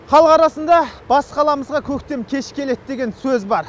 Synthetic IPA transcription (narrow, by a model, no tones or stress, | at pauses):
χɑlˠəqɑɾɑsənd̪ɑb̥ɑsə̥qʰɑlˠɑməzʁɑkʲʰɵkt̪e̞mkʲʰe̞ʃɪ̥kʲʰːe̞le̞t̪d̪e̞ɡʲensɵzbɑɾ